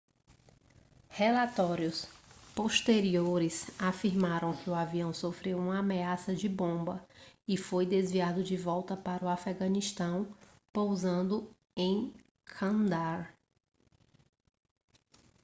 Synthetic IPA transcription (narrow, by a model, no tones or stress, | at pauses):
hɛlat̪ɔɾjʊspoʃt̪eɾioɾɪsafiɾmaɾɐ̃w̃kɪuaviɐ̃w̃sofɾewũmɐameasɐd͡ʒɪbõbɐɪfojd̪ezviad̪ʊd͡ʒɪvɔwt̪ɐpaɾʊafɛɡɐ̃niʃt̪ɐ̃w̃ | powzɐ̃nd̪ʊ | ẽj̃ | kʰɐ̃nd̪aɾ